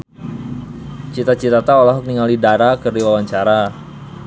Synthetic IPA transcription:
t͡ʃit̪at͡ʃit̪at̪aolaɦuk̚niŋalidaɾakərdiwawaɲt͡ʃaɾa

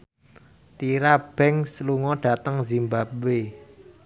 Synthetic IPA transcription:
t̪iɾab̥ɛŋsluŋɔɖ̥a̤t̪əŋzimbabwe

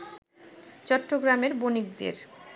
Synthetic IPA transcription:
t͡ɕɔʈːoɡɾameɾbonik̚d̪ḛɾ

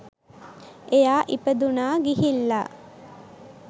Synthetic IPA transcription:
ejaːʔipɐd̪unaːɡiɦilːa̰

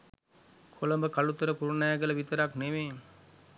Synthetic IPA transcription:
kʰoləmbəkalut̪əɾəkuɾunajaɡələʋit̪əɾakneʋeː

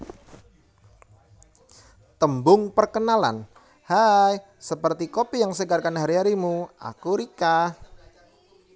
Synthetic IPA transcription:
t̪əmbʊŋpərkənala̰n | haj | səpərt̪ikopijaŋsəɡarkanɦaɾiɦaɾimua̰kuɾikah

